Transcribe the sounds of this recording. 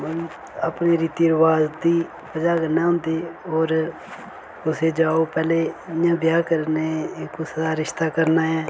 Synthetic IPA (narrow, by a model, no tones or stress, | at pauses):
mən | apneːɾiːt̪iːəɾəʋaːzd̪iː | pəd͡ʒaːkəɾnãːɦʊ̃nd̪eːoːɾ | ʊseːd͡ʒaːoːpɛːleːjãːbɪjaːkəɾneːkʊsəd̪aːɾɪʃt̪aːkəɾnaːɛ̃ː